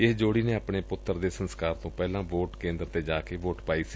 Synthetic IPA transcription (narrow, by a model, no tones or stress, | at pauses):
ɪsd͡ʒoːɽiːneːəpɳeːpʊt̪ːəɾd̪eːsənskaːɾt̪õːpɛːlãːʋoːʈkẽːnd̪ɾt̪eːd͡ʒaːkeːʋoːʈpaːiːsi